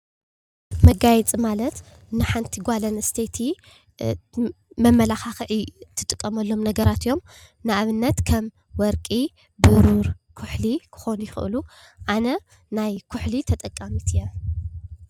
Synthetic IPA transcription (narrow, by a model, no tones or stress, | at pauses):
mɐɡajɛt͡sʼimalɐt̪ | nɨħant̪ʰiɡʷalɐnɨst̪ʰet̪ʰi | mɐmːɐlaxaxɨʕit̪ʰːɨ̥t̪ʼɨkʼːɐmɐlːo̞mnɐɡɐɾat̪ijo̞m | nɨʔaβɨnːɐt̪kʰɐm | wɔɾkʼi | bɨɾuɾkʰʊħlikʰɨ̥xo̞njɪxɨ̰ʔɨ̰lu | ʔanɐ | najkʰʊħlit̪ʰɐt̪ʼɐkʼːamit̪ʰɨjːɐ